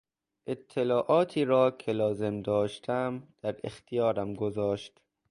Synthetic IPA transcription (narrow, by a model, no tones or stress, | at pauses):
ʔe̞t̪ʰːelɒːʔɒːt̪ʰiːɾɒːkʰe̞lɒːze̞md̪ɒːʃt̪ʰæmd̪̥æɾḛxt̪ʰijɒːɾæmɡozɒːʃt̪